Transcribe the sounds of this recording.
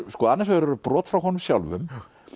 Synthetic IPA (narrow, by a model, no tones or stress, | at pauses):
skɔːanːɛs̬ɔɛɾɛɾʏpɾɔːt̪fɾawɦɔnʏmsjawlvʏ̰m